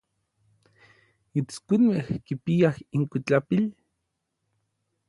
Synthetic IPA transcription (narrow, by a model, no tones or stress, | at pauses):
it͡skʷinmehkipiahiŋkit͡ɬapil